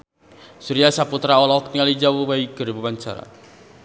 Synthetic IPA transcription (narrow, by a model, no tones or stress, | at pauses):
suɾijasaput̪ɾaɔlɔkt̪iŋalid͡ʒawubaiɡ̥ə̤ɾbubaɲt͡ʃa̰ɾa̰